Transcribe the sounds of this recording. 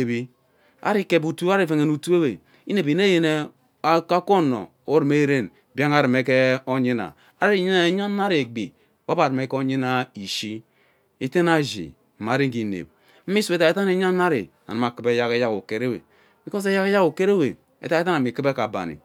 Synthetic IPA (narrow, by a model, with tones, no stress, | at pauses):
e˨bi˦ | a̰˦ɾi˦ke˨bu˨tu˦a˦ɾi˦˨fe˨ŋe˨nu˨tu˦e˦we˨ | i˦ne˨bi˨ne˦je˦ne˦ | a˦ka˦ko˦no̰˨ | o˦ɾi˨me˦ɾe˦˨n | bja˦ŋa˦˨ɾi˨me˦ke˦o˦ɲi˦na̰˨ | a˦i˨˦ɲi˦na˦ɲa˦na˦ɾi˨e˨ɡ͡bḭ˨ | wa˦ba˨ɾɨ˨me˦ko˦ɲi˦na˦i˨ʃi˦ | i˦te˦na˦ʒḭ˨ | ma˨ɾi˦ki˨nḛ˨b̚ | m̩˦mi˦su˨˦e˦˨ta˨e˨ta˦ne˨˦ɲa˦na˦ɾḭ˨ | a̰˨na˨ma˨kɨ˦be˦ja˦ɣe˦ja˦ɣṵ˨ke˦ɾe˦wḛ˨ | mi˨ko˦s̬e˦ja˦ke˦ja˦ɣu˨ke˦ɾe˦we˨ | ḛ˨ta˦e˦ta˦na˨mi˨kɨ˦be˦ka˨ba̰˨nḭ˨